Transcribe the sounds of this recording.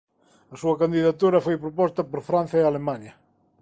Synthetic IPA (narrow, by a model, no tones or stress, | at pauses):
ɐsuɐkand̪iðat̪uɾɐfojpɾopɔst̪ɐpoɾfɾãn̟θjɐealemaɲɐ